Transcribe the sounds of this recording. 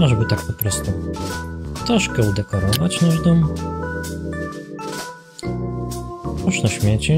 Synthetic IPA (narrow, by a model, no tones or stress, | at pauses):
aʐbɘt̪ak̚pɔpɾɔst̪u | t̪ɾɔʂkɛud̪ɛkɔɾɔvat͡ɕnaʐd̪ɔm | uʂnaɕmʲjet͡ɕɛ